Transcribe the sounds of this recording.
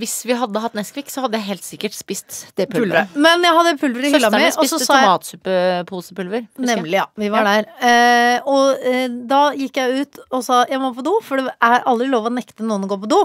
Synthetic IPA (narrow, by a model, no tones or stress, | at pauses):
ʋɪsʋɪɦɑd̪ːəɦɑt̪ːnɛskʋɪksɔhɑd̪əjæɪɦeːlt̪sɪkːəʈspɪst̪d̪̥ɛppʰʉʉɾəmɛnjæɪɦɑd̪ːəpʰʉlʋəɾəɪhɪlːɑmɛʔɔsɔsɑːɑːt̪sʉpəpʰuːsəpʰʉlʋəɾnɛmlɪʋɪʋɑɖæɾ | ɔd̪ɑjɪkːjæɪʉːt̪ɔsɑːjæɪmɔpʰɔd̪uːfɔɖɛʔæɾɑld̪ɾɪloːʋɔnɛkt̪ənuːənɡoːɾpʰɔd̪uː